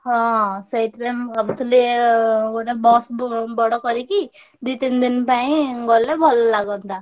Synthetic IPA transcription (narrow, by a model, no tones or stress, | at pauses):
ɦɔ̃sajʈɾemabut̪ʰuleɡoɾebɔsbɔɽɔkɔɾiki | d̪it̪ind̪inpaĩɡɔlːebʱɔlɔlaɡɔnt̪a